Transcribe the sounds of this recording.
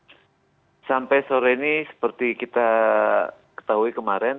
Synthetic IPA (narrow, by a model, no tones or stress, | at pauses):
sampɛsoɾɛinisə̥pərt̪ikit̪a | kə̥t̪aɦuikəmaɾɛn